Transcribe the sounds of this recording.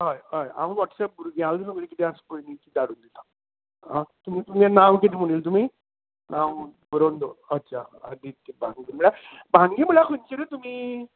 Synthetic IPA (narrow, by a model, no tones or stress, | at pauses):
ɦajɦaja̰mə̃ʋɔʈsɛp̚buɾuɡãld̪əsəɡɭikit̪ẽaskojnikid̪aɽuːnd̪it̪ã | at̪um̤it̪umanawkit̪im̤uɽ̃iːlt̪̬um̤i | nãwbəɾond̪oətːɕʰaad̪it̪ːibʱaŋɡiməɭja | bʱãŋɡiməɭjakʰəɲt͡ɕiɾət̪um̤iː